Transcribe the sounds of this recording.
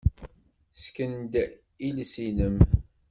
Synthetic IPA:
skənd̪ | ilsinəm

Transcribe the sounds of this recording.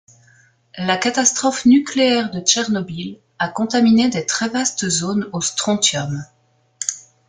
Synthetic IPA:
lakat̪ast̪χɔfnykleɛʁd̪ət͡ʃɛʁnɔbil | akɔ̃t̪amined̪et̪χɛvast̪əzoːnost̪χɔ̃t̪jɔm

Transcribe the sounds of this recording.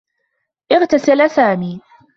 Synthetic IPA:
ʔɪɣt̪asɪlsaːmiː

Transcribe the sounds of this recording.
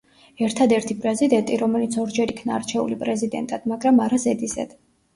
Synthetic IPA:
ɛɾt̪ʰad̪ɛɾt̪ʰipʼɾɛzid̪ɛnt̪ʼiɾɔmɛlit̪sʰɔɾd͡ʒɛɾikʰnaːɾt͡ʃʰɛṵlipʼɾɛzid̪ɛ̰nt̪ʼad̪̥maɡɾamaɾazɛd̪izɛ̰d̪̥

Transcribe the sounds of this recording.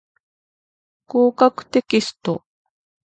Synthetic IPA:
kuːkakt̪ekɪst̪o̰

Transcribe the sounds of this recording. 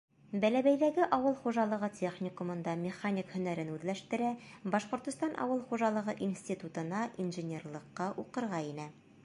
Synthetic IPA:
bælæbæjðæɡɘʔɒwɤlˠχuʒɑlˠɤ̆ʁɤtʲʰeχnʲɪkumɤ̆nd̪ɑmʲɪχanʲikhɵ̆næɾɘnʉðlæʃt̪ɘ̆ɾæbɒʃqŏɾt̪ɤ̆st̪ɑnʔɒ̰wɤlˠχuʒɑlˠɤ̆ʁɤʔinsʲtʲit̪ut̪ɤ̆nɑʔinʒɘ̆nʲerlˠɤ̆qːɑʔuqɤ̆ɾʁɑinɘ

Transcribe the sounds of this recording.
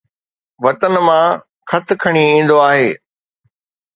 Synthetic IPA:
ʋɐt̪ənɪ̆mã | kʰɐt̪ʰɪ̆kʰɐɽ̃iĩːn̆d̪oaːɦeː

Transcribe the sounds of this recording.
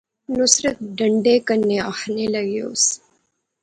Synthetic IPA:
nʊsɾət̪̚ɖəɳɖekənːeaxneləɡjo̰ːs

